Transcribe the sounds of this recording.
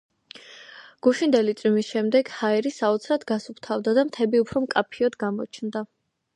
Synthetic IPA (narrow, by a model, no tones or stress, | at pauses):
ɡ̥uʃind̪ɛlit̪sʼwimisʃɛmd̪ɛɡ̥haɛɾisaɔt̪sʰɾad̪ɡasupʰt̪ʰavd̪ad̪amt̪ʰɛbiupʰɾɔmkʼapʰiɔd̪ɡamɔ̰t͡ʃʰnd̪a